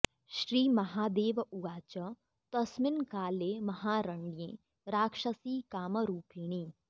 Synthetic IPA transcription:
ʃɾiːmɐɦaːd̪eːʋuɡaːt͡ʃə | t̪ɐsmɪnkaːleːmɐɦaːɾɐɳɖijḛ̃ː | ɾaːkʃəsiːkaːməɾuːpiːɽ̃iː

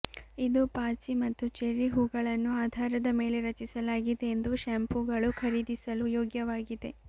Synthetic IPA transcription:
id̪upaːt͡ʃimɐt̪ːut͡ʃeɾiɦuːɡɐɭɐnːuaːd̪ʱaːɾɐd̪ɐme̞ːleɾɐt͡ʃisɐlaːɡid̪eend̪uʃɐmpuɡɐɭukʰɐɾiːd̪isɐlujoːɡjɐʋaːɡid̪e̞

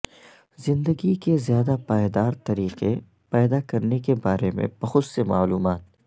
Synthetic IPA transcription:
zɪ̃nd̪əɡikezjaːd̪apaːjd̪aːɾt̪ɐɾiːqe | pɛːd̪akɐɾnekebaːɾemḛ̃bɐɦʊd̪sema̰ːluːmaːt̪̚

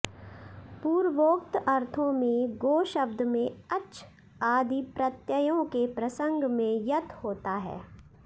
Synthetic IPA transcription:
puːɾʋoːkt̪ɐɾt̪ʰõmẽɡoːʃəb̚d̪ʱmẽɐt͡ʃʰ | aːd̪ʱipɾɐt̪jəjõkepɾɐsə̃ŋɡmẽjɐt̪ʰhoːt̪aɦɛ̰ː

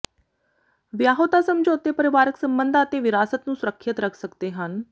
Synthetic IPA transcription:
ʋjaɦot̪asəmd͡ʑot̪epəɾiʋaːɾəksəmbənd̪ʱat̪eʋiɾasət̪nũːsuɾəkʰːjət̪ɾəkʰsəkt̪eɦan

